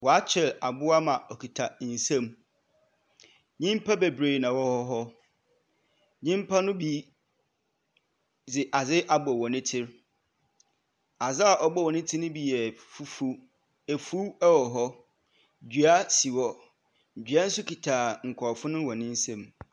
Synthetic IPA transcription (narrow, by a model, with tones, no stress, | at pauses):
wɔ˨a˦t͡ɕʰɪ˨la˨bʊ˦a˦mã˨ɔ˨kʰi˨tʰa˨n̩˨sɛ̃˦˨m | ɲĩ˦m˦pʰa˦be˨bɾeː˨nã˨wɔ˦hɔ˦ɦɔ˦ | ɲɪ̃˦m̩˦pʰa˦nʊ̃˦bi˦ | d͡zɪ˨ʔa˨zɪ˦ʔa˨bʊ˨ɔ˨wɔ˨nɪ̃˦tʰɪ˦ɾ | a˨zɪ˦a˨ʔɔ˨bɔ˦˨wɔ˨nɪ̃˦tʰɪ˦nʊ̃˦bi˨jɛ˨fu˦fu˦ | e˨fu˦ɛ˦wɔ˨ɦɔ˦˨ | d͡ʑɥa˦si˨wɔ˨ | d͡ʑᶣɥa˦n̩˦sʊ˦kʰi˨tʰa˨ŋ̩˨kʰɔ˨fʊ̃˦nʊ̃˦wɔ˨nɪ̃˦n̩˦sɛ̃˨m